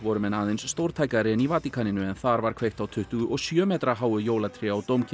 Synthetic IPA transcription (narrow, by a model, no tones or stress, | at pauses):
vɔɾʏmɛnaːðɪnsːt̪owɾ̥t̪ʰaːjkaɾɪnivaːt̪ikʰanɪnʏɛnθaɾvaɾ̥kʰv̥ejxt̪awt̪ʰʏht̪ʏɣʏʔɔɣsjœːmɛːt̪ɾaɦaːwʏjoːwlat̪ʰɾɪawt̪owmcʰɪ